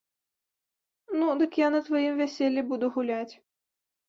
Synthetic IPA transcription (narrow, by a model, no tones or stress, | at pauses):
nud̪ɨkjanɐt̪vajimvʲɛsʲelʲːibud̪uɣulʲat͡sʲ